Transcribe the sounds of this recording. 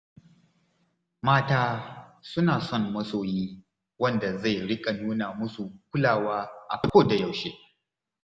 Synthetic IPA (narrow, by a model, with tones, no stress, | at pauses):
maː˦taː˦sʊ˦naː˨sɔ˦˨ŋːɐ˦soː˨jiː˦ | wɐ˦nda˨za˦˨jɽɪ˦kʼa˨nuː˦na˨mʊ˦su˨k̚ʷʊ˦laː˨waː˦ʔa̰˨kkoː˦˨da˨ja˨wʃe˦